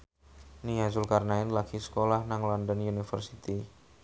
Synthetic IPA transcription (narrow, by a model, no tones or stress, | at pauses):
niɦasʊlkarnaɪnlaɡ̥isə̥kolahnaŋlɔndɔnjunifərsit̪i